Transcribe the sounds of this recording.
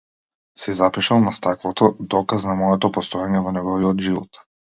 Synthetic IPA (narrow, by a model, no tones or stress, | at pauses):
sɛzapiʃalˠnast̪aklˠɔt̪ɔd̪ɔkaznamɔjɛt̪ɔpɔst̪ɔjaɲɛvɔnɛɡɔviɔd̪ʒivɔ̰t̪